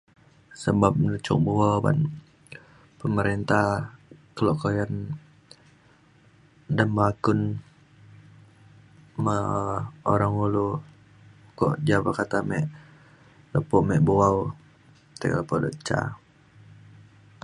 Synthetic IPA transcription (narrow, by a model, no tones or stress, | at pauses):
səbap̚nut͡ʃɔ̰k̚buawba̰n | pəməɾent̪ahkəloʔkojan | dəmbakʊn | ma | oɾaŋulu | kɔ̰ʔd͡ʒabəkat̪amɛʔ | ləpɔʔmɛʔbuwaw | t̪ekləpɔdɔ̰ʔt͡ʃa̰